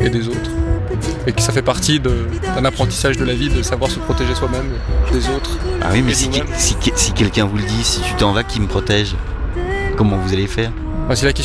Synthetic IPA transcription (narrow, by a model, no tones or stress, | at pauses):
ed̪ezot̪χ | ekə̥safɛpaʁt̪id̪ə | d̪ɛ̃napχɑ̃t̪i̥saʒd̪əlavid̪əsavwaʁsəpχɔt̪eʒeswamɛm | d̪ezot̪χa̰wimɛsim | siksikʲɛlkʲɛ̃vuləd̪isit̪yt̪ɑ̃vakʲiməpχɔt̪ɛʒ | kɔmɑ̃vuzalefɛːʁ̃ | fɛ̃selakʲɛ